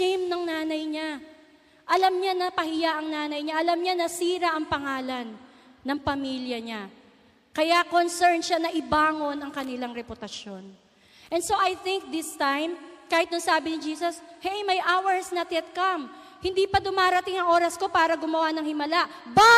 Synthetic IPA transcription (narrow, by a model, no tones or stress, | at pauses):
ɛmnɐŋnaːnɐjɲa | ʔɐlɐmɲanɐpɐhɪjaʔɐŋnaːnɐjɲaʔɐlɐmɲanɐsiːɾɐʔɐŋpɐŋaːlɐnː | ɐŋpɐmiljɐɲa | kɐjakonsɛɹnʃanɐʔɪbaːŋo̞nɐŋkɐnɪlaŋɾɛpʊt̪ɐʃjo̞n | ʔɛnso̞ʔɐjθɪŋk̚d̪ɪst̪ajmkaːhɪt̪nʊŋsaːbɪnɪd͡ʒiːsɐshɛjmɐjʔawɛɹsnɐt̪ɛt̪̚kɐm | hɪnd̪iːpɐd̪ʊmaːɾɐt̪ɪŋɐŋʔo̞ːɾɐsko̞paːɾɐɡʊmɐwanɐŋhɪmɐlaʔba